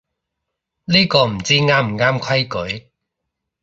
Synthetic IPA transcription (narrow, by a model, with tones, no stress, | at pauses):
liː˥kɔː˧m̩˨˩t͡siː˥ŋaː˥m̩˨˩ŋaː˥mkʰwɐ˥jkɵ˨˥ɥ